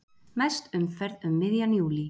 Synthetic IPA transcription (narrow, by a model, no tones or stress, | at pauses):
mɛst̪ʏmfɛɾðʏmːɪðjanjuːli